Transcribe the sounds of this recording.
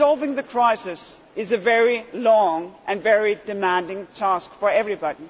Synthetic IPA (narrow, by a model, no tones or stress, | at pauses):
sɑlˠvɪ̃ŋðɨkʰɹ̥aɪsɨs | ɨzɨvɛɹilɔ̃ŋʔɨ̃nvɛɹidɨmæ̃ndɪ̃ŋtʰæskfə˞ɛvɹibɑɾi